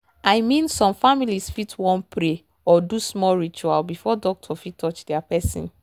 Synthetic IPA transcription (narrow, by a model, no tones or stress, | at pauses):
ajmĩnsɔ̃mfamilisfitʰwɔ̃npʰɾe | ɔdusmɔlɹit͡ʃualbifɔdɔk̚tʰɔfitʰːɔt͡ʃdɛapɛsḭ̃n